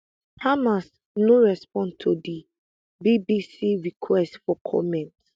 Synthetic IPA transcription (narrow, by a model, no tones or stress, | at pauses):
hamas | noɹɛspɔ̃ntʰodi | bibisiɹikʰwɛstfɔkʰɔ̰mɛ̃nt